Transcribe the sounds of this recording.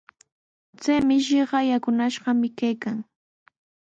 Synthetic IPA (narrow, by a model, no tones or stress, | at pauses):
t͡sajmɪʃɪɢɑjakʊnaʃɢɑmɪkajkaŋ